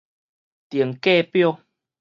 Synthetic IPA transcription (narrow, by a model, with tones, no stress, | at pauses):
t̪ji˨˩əŋke˥˧pjo˥˧